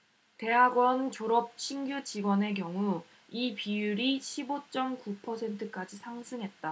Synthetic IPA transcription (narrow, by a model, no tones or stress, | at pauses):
te̞ɦaɡwʌnt͡ɕoɾʌp̚ɕʰiŋɡjut͡ɕiɡwʌne̞k̬jʌŋu | ipijuɾiɕʰibot͡ɕ͈ʌmkupʰʌsʰe̞ntʰɯk͈ad͡ʑisʰaŋsʰɯŋɦe̞t̚t͈a